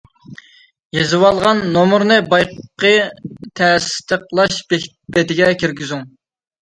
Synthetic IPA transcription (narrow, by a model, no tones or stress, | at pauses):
jezɨwɑlˠʁɑnːomuɾnɨbɑjqqət̪ʰɛst̪ʰəqlˠɑʃbe | bɛt̪ɪɡʲɛkʲiɾɡʲyzyŋ